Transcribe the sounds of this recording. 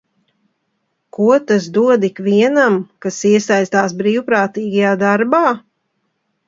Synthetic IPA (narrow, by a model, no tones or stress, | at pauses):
kuɔt̪asd̪uɔd̪ikviɛnamkasiɛsajst̪aːsbɾiːwpɾaːt̪iːɡajaːd̪aɾbaː